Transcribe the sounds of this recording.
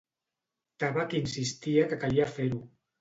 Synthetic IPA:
t̪aβakinsist̪iakəkaliafeɾu

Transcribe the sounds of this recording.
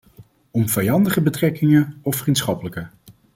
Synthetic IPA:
ɔmv̥ɛjɑndəχəbətrɛkɪŋəɔfrintsχɑpələkə

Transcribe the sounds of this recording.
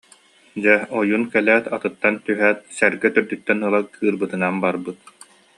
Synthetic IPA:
d͡ʑɛɔjunkɛlæːt̪at̪ɯt̪ːant̪yɦæːt̪̚sɛɾɡɛt̪yɾd̪yt̪ːɛnɯlˠakʰɯːɾbɯt̪ɯnanbaɾbɯt̪̚

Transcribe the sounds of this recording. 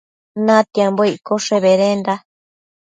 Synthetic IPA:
nãt̪jamboiʔkoʂeβeɾend̪a

